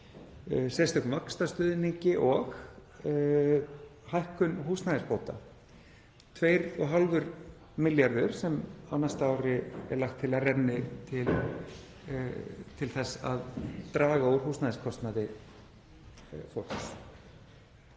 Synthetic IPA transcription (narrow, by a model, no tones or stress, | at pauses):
sɛjst̪ɛhkʏmvakst̪ast̪ʏːðniɲcɪʔɔx | hajhkʏnɦuːstnaðɪspoːwt̪a | t̪ʰveːjɾɔɣɦalvʏɾ | mɪljaɾðʏɾ̥sɛmawnast̪aaːwɾɪɛ̰ɾlaxt̪ʰːɪlaðrɛnːɪt̪ʰɪl | t̪ʰɪlθɛsa̰ðt̪ɾaːɣaowɾ̥ɦuːst̪naðɪskʰɔst̪naðɪ | fɔl̥s